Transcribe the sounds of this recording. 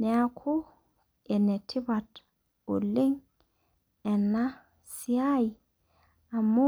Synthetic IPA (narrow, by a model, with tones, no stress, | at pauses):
ne˨akʰu˦ | e˨ne˨tʰi˦ba˨t | o̰˨le˦ŋ | ɛ˨nːa˦ | si˨˦a˦i˨ | a˨mo˦